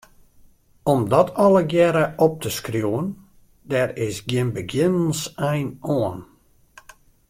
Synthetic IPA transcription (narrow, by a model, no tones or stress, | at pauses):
ɔmdɔtʰɔlˠəɡjɛɾəʔɔp̚təskrjuwən | dɛrɪsɡjɪnbəɡjɪnənsɛjnoən